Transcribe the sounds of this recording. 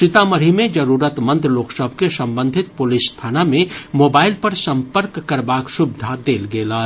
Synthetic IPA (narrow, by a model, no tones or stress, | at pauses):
ʃɪt̪amɐɾimẽd͡ʒɐɾuːɾət̪mɐ̃nt̪ɾloːksəbʱkesɐ̃mbə̃nd̪ʱɪt̪̚pʊlɪsːt̪ʰaːnamẽmoːbaːɪlpɐɾsɐ̃mpəɾkːɐɾbaːkʃʊbd̪ʱad̪eːlɡeːlaː